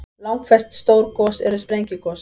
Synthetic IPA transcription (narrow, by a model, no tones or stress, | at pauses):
lɑŋkfɛststoːrkɔstɛ̰ɾəsprɛŋkjəkɔs